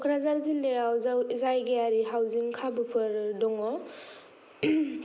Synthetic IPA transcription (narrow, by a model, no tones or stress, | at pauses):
ɔkʰɾazaɾzileɾawzawizajɡeaɾiɦawziŋkʰabupʰɯɾdɔŋɔ